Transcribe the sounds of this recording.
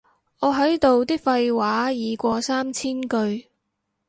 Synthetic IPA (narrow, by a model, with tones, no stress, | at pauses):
ŋɔː˨˧ɦɐ˨˥jt̪o˨wt̪iː˥k̚fɐ˧jwaː˨˥jiː˨˧kʷɔː˧saː˥mt͡sʰiː˥nkɵ˧ɥ